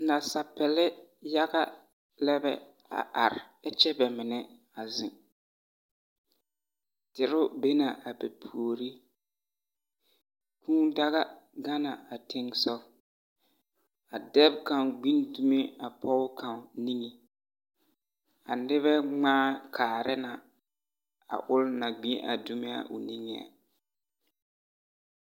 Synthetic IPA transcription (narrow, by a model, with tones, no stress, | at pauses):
na˨sa˨pɛ˨lɪ˦ja˦ɣa˦ | lɛ˦bɛ̰˦ | a̰˨ʔa˨ɾɪ˨ɛ˦t͡ʃɛ˦bɛ˨mɪ˨nɛ˦ | a˨zɪ˨ŋ | tɪ˨ɾʊ˦be˦na˨a˨bɛ˨pʰu˨o˨ɾi˦ | kʰũː˦da˦ɣa˦ɡa˦na˨a˨tʰe˦ŋsɔ˦ | a˨dɛ˦b̚ka˨nɡ͡bi˦ndu˨mi˦a˨pɔ˦kʰa˨m˨ni˦ŋi˨ | a̰˨nɪ˦βɛ˦ŋ͡maː˦kʰaː˨ɾɪ˦na˨ | a̰˨ʔʊ˦lna˨ɡ͡bĩ˦ʔa̰˨du˦mɪ˦a̰˦˨ʔʊ˨ni˦ŋi˨a̰˨